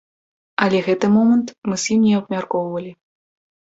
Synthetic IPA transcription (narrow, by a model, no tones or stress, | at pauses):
ɐlʲɛɣɛt̪ɨmɔmɐnt̪mɨzʲjimnʲɛɐbmʲarkɔwvɐlʲi